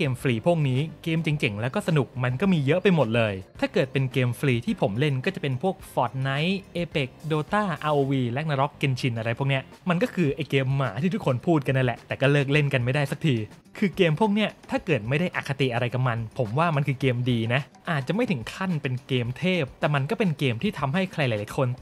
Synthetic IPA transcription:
keː˧mfɾiː˧pʰu˥˩ək̚niː˦˥keː˧mt͡ɕi˨˩ŋt͡ɕe˨˩ŋlɛː˦˥wkɔː˥˩sa˧nu˨˩k̚ma˧nkɔː˥˩miː˧jɤ˦˥ʔpa˧jmo˨˩t̪̚lɤː˧jt̪ʰaː˥˩kɤː˨˩t̪̚pe˧nkeː˧mfɾiː˧t̪ʰiː˥˩pʰo˩˦mle˥˩nkɔː˥˩t͡ɕa˨˩pe˧npʰu˥˩ək̚fɔː˨˩t̪̚na˦˥jʔeː˧pe˨˩k̚doː˧t̪aː˥˩ʔaː˧ʔoː˧wiː˧lɛ˦˥k̚na˧ɾɔ˦˥kːe˧nt͡ɕʰi˧nʔa˧ɾa˧jpʰu˥˩əni˦˥ɐma˧nkɔː˥˩kʰɯː˧ʔa˧jkeː˧mːaː˩˦t̪ʰiː˥˩u˥˩kʰo˧npʰuː˥˩t̪̚ka˧nːa˥˩lɛ̰˨˩ʔt̪ɛː˨˩kɔː˥˩lɤː˥˩k̚le˥˩nka˧nma˥˩jda˥˩jsa˦˥k̚t̪ʰiː˧ | kʰɯː˧keː˧mpʰu˥˩ək̚ni˦˥˩ɐt̪ʰaː˥˩kɤː˨˩t̪̚ma˥˩jda˥˩jʔa˨˩kʰːa˧t̪i˨ʔa˧ɾa˧jka˨˩ma˧npʰo˩˦mwaː˥˩ma˧nkʰɯː˧keː˧mdiː˧na˦˥ʔ | ʔaː˨˩t̪̚t͡ɕa˨˩ʔma˥˩jt̪ʰɯ˩˦ŋkʰa˥˩npe˧nkeː˧mt̪ʰeː˥˩p̚t̪ɛː˨˩ma˧nkɔː˥˩pe˧nkeː˧mt̪ʰiː˥˩t̪ʰa˧mɦa˥˩jkʰɾa˧jlaː˨˦laː˨˦jkʰo˧n

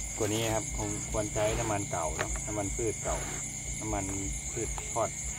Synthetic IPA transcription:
ku˨˩əniː˧˥˨kʰa˧p̚pʰo˨˧˦mkʰu˧˥ənt͡ɕa˧jna˧˥mːa˧nka˨˩wnɔ˧˥na˧˥mːa˧npʰɯː˧˩t̪̚ka˨˩w | na˧˥mːa˧n | pʰɯː˧˩t̪̚pʰɔː˧˥˩t̪̚

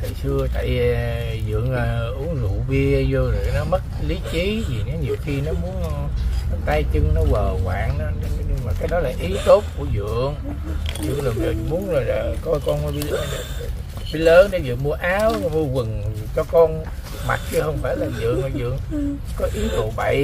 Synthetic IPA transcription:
t̪ʰi˨˩sɨ˧ət̪a̰ː˧˨j | zɨ̰˧˨əŋː˨˩ʔu˨˦əŋzṵ˧˨vi˧əzo˧zo˨˩˨nɔ˨˦mə˦˥t̚li˨˦t͡ɕi˨˦zi˨˩ɲɔ˨˦ɲi˨˩əwxi˧nɔ˨˦mu˨˦ən˨ | t̪aː˧jt͡ɕɨ˧ŋnɔ˨˦vəː˨˩ɣwa̰ː˧˨ŋnɔ˨˦˧ɲɨ˧ŋmaː˨˩kaː˨˦jɗɔ˨˦laː˨˩ʔi˨˦t̪o˦˥p̚ku˧˩əzɨ̰˧˨əŋ | zɨ̰˧˨əŋzo˨˩t͡ɕo˨˩˨mu˨˦ənː˨˩˨kɔ˧jkɔ˧n˧˦ɓi˧˦l | ɓi˧˦ləː˨˦nɗɔ˧˨˦zɨ̰˧˨əŋmu˧əʔaː˨˦wɔ˧mu˧əvɨ˨˩ŋ˨ | t͡ɕɔ˧kɔ˧n | ma̰˨˩t̚t͡ɕɨ˧hə˧wŋ͡mfaː˧˩jlaː˨˩zɨ̰˧˨əŋɔ˨˩zɨ̰˧˨əŋkɔ˨˦ʔi˨˦t̪u˨˩ɓa˧˩˨j

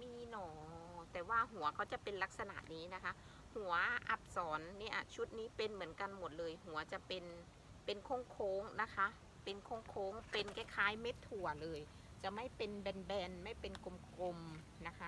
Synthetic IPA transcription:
miː˧˥˩nɔː˧˩t̪ɛː˨˩waː˧˥˩ɦu˨˩˦ɐkʰa˧˩wt͡ɕa˧˩pe˨nla˦˥k̚sa˧na̰˨˩ʔniː˦˥na˦˥kʰa˦˥ | hu˩˦ɐʔa˧˦˥p̚sɔː˩˦nːiː˧˥˩ʔa̰˨˩t͡ɕʰu˦˥t̪̚niː˦˥pe˧nmɯ˩˦ənka˧nmo˨˩t̪̚lɤː˧jɦu˨˩˦ɐ˦t͡ɕa˧˩pe˧n | pe˧nkʰo˧˥˨ŋkʰoː˧˥ŋna˦˥kʰa˦˥ʔ | pe˧nkʰo˧˥˩ŋkʰoː˧˥ŋpe˧nka˦˥˩kʰaː˧˥jme˦˥t̪ʰːu˨˩ɐlɤː˧j | t͡ɕa˨˩ma˥˩jpe˧nbɛː˧nbɛː˧nma˥˩˨jpe˧nko˧mkʰo˧m | na˦˥kʰa˦˥

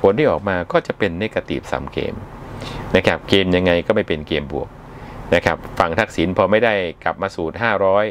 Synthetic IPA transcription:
pʰo˨˩˦nt̪ʰiː˥˩ʔɔː˨˩k̚maː˧kɔː˥˩t͡ɕa˨˩pe˧nːe˦˥kːa˧t̪ḭ˨˩p̚sa̰ː˩˦mkḛː˧mna˦˥kʰa˦˥p̚keː˧mja˧ŋːa˧jkɔː˥˩ma˥˩jpe˧nkeː˧mbu˨˩ək̚ | na˦˥kʰa˦˥p̚fa˧˩ŋt̪ʰa˦˥k̚si˩˦npʰɔː˧ma˥˩jda˥˩jkla̰˨˩p̚maː˧suː˨˩t̪̚ɦaː˥˩ɾɔː˦˥j

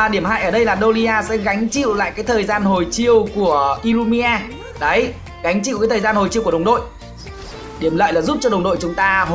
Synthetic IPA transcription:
ɗi˧˩əmha̰ː˧˨ʔəː˧˩ɗə˧jlaː˨˩ɗo˧li˧ʔaː˧sɛ̰˧˥ɣa˨˦jŋ̟t͡ɕḭ˧˨wla̰ː˧˨jkaː˨˦jt̪ʰəː˨˩jzaː˧nɦo˨˩jt͡ɕi˧əwku˧˩əʔi˧lu˧mi˧ʔaː˧ | ɗə˨˦j | ɣa˨˦jŋ̟t͡ɕḭ˧˨wkaː˨˦jt̪ʰəː˨˩zaː˧nho˨˩jt͡ɕi˧wku˧˩˨ə˨˩wŋ͡mɗo̰˧˨j | ɗi˧˩əmlə̰ː˧˨jlaː˨˩zu˦˥p̚t͡ɕɔ˧ɗə˨˩wŋ͡mɗo̰˧˨jt͡ɕʊ˨˦ŋ͡mt̪aː˧ɦ

